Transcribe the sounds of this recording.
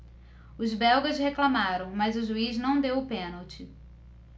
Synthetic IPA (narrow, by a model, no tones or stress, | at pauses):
ʊzbɛwɡɐzheklamaɾɐ̃w̃mɐzʊʒuiznɐ̃w̃d̪ewʊpẽnɐwt͡ʃɪ